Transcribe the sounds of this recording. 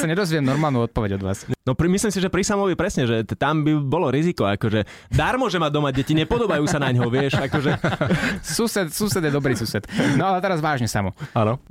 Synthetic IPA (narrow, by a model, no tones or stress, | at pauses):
saɲɛd̪ɔzʋiɛmnɔɾmaːlnuːɔt̪̚pɔʋɛɟɔd̪ʋa̰ːsnɔpɾimisliːmsiʒɛpɾisamɔʋɛpɾɛsɲɛʒɛt̪ambibɔlɔɾizikɔakɔʒɛ | d̪aɾmʊɔʒɛmad̪ɔmaɟɛciɲɛpɔd̪ɔbajuːsanaɲɦɔʋɪɛʃakɔʒɛ | suːsɛt̪suːsɛd̪jɛd̪ɔbɾiːsuːsɛt̪nɔalɛt̪ɛɾazʋaːʒɲɛsa̰mɔanɔ